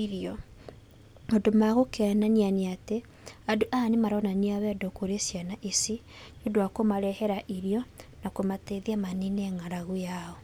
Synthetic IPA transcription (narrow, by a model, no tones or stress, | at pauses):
iɾjɔ | modomaɣokɛananianeate | adoʔanemaɾɔnaniawɛdokoɾesjanaʔisi | nodoakomaɾɛhɛɾaʔiɾjɔnakomateðiamaninɛŋaɾaɣujaɔ